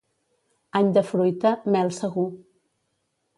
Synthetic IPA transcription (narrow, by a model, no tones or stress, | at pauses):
aɲd̪əfɾujt̪əmɛlˠsəɣu